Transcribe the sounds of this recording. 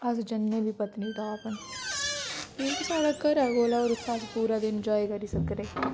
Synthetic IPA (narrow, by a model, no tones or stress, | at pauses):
ɐsd͡ʒɐnːebʱipɐt̪nit̪ʰaːpən | eksaːɽakəɾaɡoːlaɔːɾʊkʰaːspuːɾad̪ɪnd͡ʒaːekɐɾisɐkɾeː